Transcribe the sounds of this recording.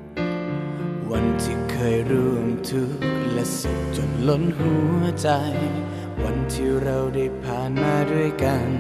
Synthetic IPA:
wa˧nt̪ʰi˨˧˩kʰːɤː˧jɾuː˧˩ŋt̪ʰu˦˥k̚lɛ˧˥si˨˩tt͡ɕo˨˩t̪̚lo˧˥nɦu˧˥˦ət͡ɕa˧j | wa˧˥nt̪ʰiː˧ɾa˧wda˥˩jpʰaː˧naː˧du˥˩əjka˧n

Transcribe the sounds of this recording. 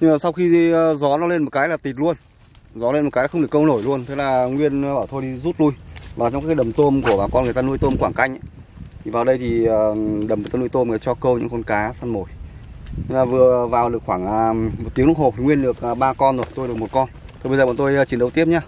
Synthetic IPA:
ɲɨ˧aː˨˩sa˧wxi˧˨zɔ˨˦nɔ˨˦le˧nmo˨˩t̚kaː˨˦jlaː˨˩t̪i˨˩t̚lu˧ən | zɔ˨˦le˧no˨˩kaː˨˦jlːŋ͡mɨ˨˩əkːə˧wno˧˩jlu˧ənt̪ʰe˨˦laː˨˩ŋwi˧ən˧ɓaː˧˩wt̪ʰo˧jɗi˧zu˦˥t̚lu˧jvaː˨˩t͡ɕwŋ͡mkaː˦kːɗə˨˩mt̪o˧mku˧˩əɓaː˨˩kɔ˧nɨ˨əjt̪aː˧nu˧əjt̪o˧mkwaː˧˩ŋka˧jŋ̟ʔa˨˦ | t̪ʰi˨˩vaː˨˩wɗə˧jt̪ʰi˨˩əː˨˩ɗə˨˩mɨ˨˩t̪aː˧nu˧jt̪o˧m˧˨˩t̪aː˧t͡ɕɔ˧kə˧wɲɨ̰˧˥ŋkɔ˧˦nkaː˨˦saː˧nmo˧˩j | ɲɨ˧ŋlaː˨˩vɨ˨˩əvaː˨˩wɗɨ˨˩ək̚xwaː˧˩ŋa˨˩mo˨˩t̚t̪i˨˦əŋlʊ˦˥ho˨˩t̪ʰi˨˩ŋwi˧ənɗɨ˨˩ək̚ːɓaː˧kɔ˧nzo˨˩jt̪o˧jɗk̚mo˨˩t̚kɔ˧n | t̪ʰo˨˩ɓə˧zə˨˩ɓa̰ː˧˨˩t̪o˧jːt͡ɕi˨˦ənɗə˨˦wt̪i˦˥əp̚ɲaː˧

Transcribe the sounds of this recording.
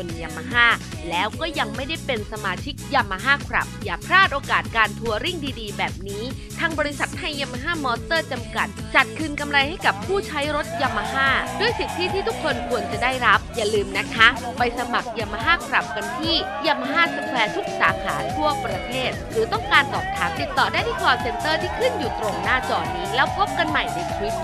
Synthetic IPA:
u˨˩nja˧mːa˧ɦaː˥˩ | lɛː˦˥wkɔː˥˩ja˧ŋma˥˩jda˥˩jpe˧nsa˧maː˧t͡ɕʰi˦˥k̚ja˧mːa˧ɦaː˥˩kʰɾa̰˨˩p̚jaː˨˩pʰɾaː˥˩t̪̚ʔoː˧kaː˨˩t̪̚kaː˧nt̪ʰu˧ɐɾi˥˩ŋdiː˧diː˧bɛː˨˩p̚niː˦˥ | t̪ʰaː˧ŋbɔː˧ɾi˧˦sa˨˩t̪ʰːa˧jːa˧mːa˧ɦaː˥˩mɔː˧st̪ɤː˥˩t͡ɕa˧mka˨˩t̪̚t͡ɕa˨˩t̪̚kʰɯː˧nka˧mɾa˧jha˥˩jka˨˩pʰːuː˥˩t͡ɕʰa˦˥jɾo˦˥t̪̚ja˧mːa˧ɦaː˥˩du˥˩əjsi˨˩t̪ʰːiː˥˩t̪ʰiː˥˩t̪ʰu˦˥kʰːo˧nkʰu˧ənt͡ɕa˨˩daː˥˩jɾa˦˥p̚jaː˨˩lɯː˧mna˦˥kʰa˦˥pa˧jsa˧ma˨˩k̚ja˧ma˧ɦaː˥˩kʰɾa˨˩p̚ka˧nt̪ʰiː˥˩ | ja˧mʔa˧ɦaː˥˩sa˨˧˩kʰlɛː˧t̪ʰu˦˥k̚saː˨˩˦kʰa̰ː˩˦t̪ʰu˥˩ɐpɾa˧t̪ʰeː˥˩t̪̚ɾɯː˩˦t̪ɔ˥˩ŋkaː˧nt̪ɔ̰ː˨˩p̚t̪ʰaː˦˥m̚t̪i˨˩t̪ːɔː˨˩daː˥˩jt̪ʰiː˦˥˩klɔː˧˩se˧nt̪ɤː˥˩t̪ʰiː˥˩kʰɯ˥˩njuː˨˩t̪ɾo˨˩mnaː˥˩t͡ɕɔː˧˩niː˦˥lɛː˦˥wpʰo˦˥p̚ka˧nma˨˩jna˨˧˩jt̪ʰwi˦˥p̚

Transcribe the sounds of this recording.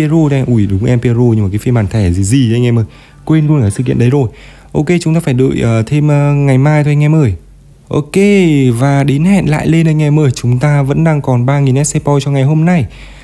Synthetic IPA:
e˧zo˧t̪ʰɛ˧ʔu˧˩˨ɗʊ˨˦ŋ͡mʔɛ˧mpe˧zo˧ɲɨ˧maː˨˩kaː˨˦fi˧nɓaː˨˩nt̪ʰɛ˧˩zi˨˩zi˨˩ʔjŋʔɛ˧mʔəː˨˩j | kwe˧nlu˧ənkaː˧˩jsɨ̰˧˨kḭ˧˨ənɗə˨˦zo˨˩j | ʔo˧ke˧t͡ɕʊ˨˦ŋ͡mt̪aː˧faː˧˩jɗɨ̰ː˧˨jʔəː˨˩t̪ʰe˧mʔːŋa˨˩jmaː˧jt̪ʰo˧ŋ˧ɛ˧mʔəː˨˩j | ʔo˧ke˧vaː˨˩ɗe˨˦nhɛ̰˧˨nla̰ː˧˨jle˧nʔə˧ŋ̟ŋɛ˧mʔəː˨˩jt͡ɕʊ˨˦ŋ͡mt̪aː˧və̰˧˥nɗaː˧ŋkɔ˨˩nɓaː˧ŋi˨˩nʔɛ˦˥t̚sɛ˧pɔ˧jt͡ɕɔ˧ŋa˨˩jɦo˧mna˧j

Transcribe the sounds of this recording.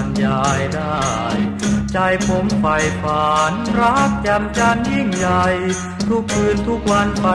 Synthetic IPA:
njaː˧jdaː˥˩ | jt͡ɕa˧jpʰo˧˥mpa˧jfaː˨˩˦nɾa˦˥˩k̪̚t͡ɕa˧mt͡ɕa˧nji˥˩ŋja˧j | t̪ʰu˦˥kʰːɯː˧nt̪ʰu˦˥k̚wa˧npa˧

